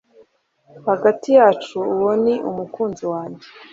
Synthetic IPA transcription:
haɡatijaːt͡ʃuːwoniʔṵmukuːnziwaːɲɟe

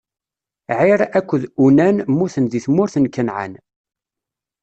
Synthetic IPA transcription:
ʕiɾækʷːəðunænmʊɾθənðiθmʊɾθənkənʕa̰n

